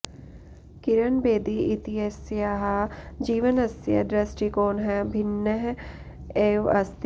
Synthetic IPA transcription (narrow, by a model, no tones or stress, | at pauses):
kɪɾənbeːd̪iit̪iesjaːɦad͡ʒiːʋənɐsja̰ɖɾɐsʈikoːnɦɛbʱɪnːəɦ | eːʋɐ̰st̪